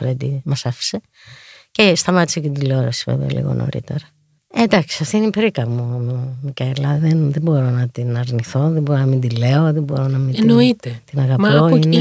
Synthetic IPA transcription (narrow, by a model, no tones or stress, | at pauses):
ɾend̪imɐsɐfi̥se̞ | cest̪ɐmɐt̪i̥sec̪d̪ileoɾosi̥vḛveɐ̰lḭɣo̞̰nʔo̰ɾḭt̪e̞̰ɾɐ | ed̪ɐksi̥ɐft̪iinipeɾikɐɣmumumikɐilɐðenðembo̞ɾonɐt̪inɐɾniθo̞ðeboɾonɐmind̪ile̞o̞ðebo̞ɾo̞nɐmininoit̪et̪inɐɣɐpoine